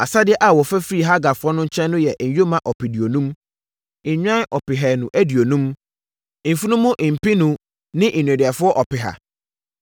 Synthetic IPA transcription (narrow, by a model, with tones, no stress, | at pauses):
a˨sa˦dɪ˦ɛ˦ʔa˨wɔ˨fæ˦fɾi˦˨ɦa˦ɡa˨fʊ˦ɔ˦nʊ̃˦ɲ̩˦t͡ɕʰɛ̃˦nːʊ̃˦jɛ˨ʔɲ̩˨jo˦mã˨ʔɔ˨pɪ˨di˨o˨nũ˦m̩˨ | ɲᶣ˦ã˦ʔɔ˨pɪ˨ɦɛː˨nũ˨ʔæ˦di˨o˨nũ˦m˨ | m̩˨fu˦nũ˦mũ˦ʔ̩˨pi˦nũ˨ | nɪ̃˦ʔ̩˨nũ˨dɪ˨ɛ˨fʊ˦ɔ˦ʔɔ˨pɪ˨ɦa̰˨